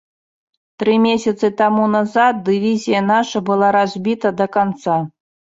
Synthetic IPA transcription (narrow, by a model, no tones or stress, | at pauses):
t̪ɾɨmʲesʲɐt̪sɨt̪ɑmunazɑt̪̚d̪ɨvʲizʲijanaʂɐbɨlˠɑɾazʲbʲit̪ɐd̪ɐkant̪sɑ